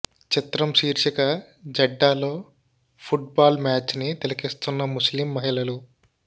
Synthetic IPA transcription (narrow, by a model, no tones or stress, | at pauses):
t͡ʃit̪ɾɐmʃiːɾʃɐkɐ | d͡ʒɐɖːaːlo̞ː | pʰuʈ̚baːlmaːt͡ʃnit̪elɐkist̪unːɐmuslimːɐɦilɐlu